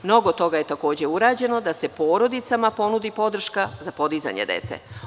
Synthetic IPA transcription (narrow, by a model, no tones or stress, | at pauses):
mno̞ɡo̞t̪o̞ɡaje̞t̪ako̞ːd͡ʑe̞uɾaːd͡ʑe̞no̞d̪ase̞po̞ːɾo̞d̪it̪samapo̞nud̪ipo̞d̪r̩ʃkazapo̞d̪iza̰ɲḛd̪ḛt̪sḛ